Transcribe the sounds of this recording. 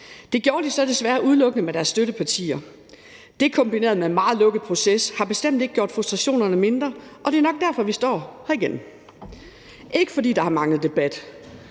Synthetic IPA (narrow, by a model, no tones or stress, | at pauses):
d̥e̝ɡ̥jɔːɐd̥isɒ̽d̥e̝sʋæːɐʔuð̞ˠlɔ̽ɡ̥ənəmeɾ̥æɐsːd̥øɾəpʰɑt͡sʰḭːɐ | d̥e̝kʰɒ̽mb̥ine̝̰ːɐð̞ˠmeenmɑ̈ːð̩ˠlɔ̽ɡ̥əð̩ˠpʰʁo̝seshɑ̈b̥e̝sd̥em̰d̥eɡ̥əɡ̥jo̝ɐ̰d̥fʁusd̥ʁɑ̈ɕo̝̰ːnɐnəme̝nd̥ʁɐʔɒ̽d̥e̝ːɐnɒ̽ɡ̥̚d̥æɐfɒ̽ʋisd̥ɒ̰ːhæiɡ̥en̰ | ʔe̝ɡ̥əfɒ̽dḭːd̥ɑ̈hɑ̈mɑ̈ŋð̩ˠd̥e̝b̥æd̥